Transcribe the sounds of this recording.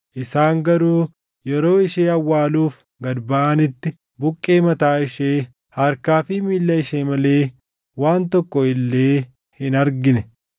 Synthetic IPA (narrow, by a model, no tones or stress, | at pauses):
ʔɪsaːŋɡɐɾuː | jɛɾo̞ːɪʃeːɐwːaːluːf | ɡɐd̪bɐʔɐnɪt̪ːɪ | bʊkʼːe̞ːmɐt̪aːɪʃeː | hɐɾkaːfɪmiːlːɐɪʃeːmɐle̞ː | waːnt̪ɔkːɔɪlːeː | hɪnɐɾɡɪnɛ